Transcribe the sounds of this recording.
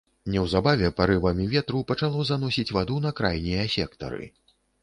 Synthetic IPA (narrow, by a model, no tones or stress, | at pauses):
nʲɛwzabavʲɛpɐɾɨvɐmʲivʲɛt̪ɾupɐt͡ʂalˠɔzanɔsʲit͡sʲvad̪un̪ɐkɾajnʲijɐsʲɛkt̪ɐ̰ɾɨ̰